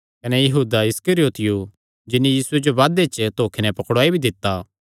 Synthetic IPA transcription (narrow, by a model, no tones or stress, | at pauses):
kɐnɛjɐɦuːd̪aɪskəɾioːt̪ɪju | d͡ʒɪnːĩjiːsʊed͡ʒoʋaːd̪et͡ʃt̪oːkʰinɛpɐkɽaːibʱid̪ɪt̪ːaː